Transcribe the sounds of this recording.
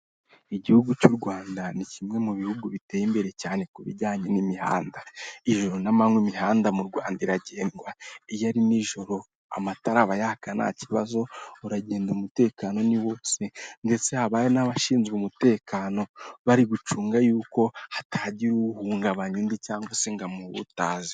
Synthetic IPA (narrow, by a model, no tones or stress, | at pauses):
iɟihuɡucuɾɡwaːndanicimŋe̞muβihuɡuβite̞ːjimbe̞ɾe̞caːne̞kuβḭɟaːɲe̞nimiha̰ːndaiʒo̞ɾonamaŋwimiɦaːndamuɾɡwaːndaiɾaɟe̞ːnɡwaijaɾiniʒo̞ɾo̞ | a̰mataɾaβajahakana̰ciβazo̞uɾaɟe̞ːndumute̞ːkaːno̞niwosende̞t͡se̞haβajenaβaʃiːnzɡumute̞ːkaːno̞βaɾiɡut͡ʃuːŋɡajuːko̞hatʰaɟiɾuhuːŋɡaβaɲundicaːŋɡwase̞ŋɡamuβṵtaːzi